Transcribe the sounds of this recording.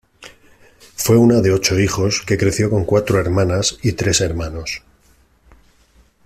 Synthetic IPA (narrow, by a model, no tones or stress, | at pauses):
fwe̞unaðe̞o̞t͡ʃo̞ixo̞ske̞kɾeθjo̞ko̞ŋkwat̪ɾoe̞ɾmãnasit̪ɾe̞se̞ɾmano̞s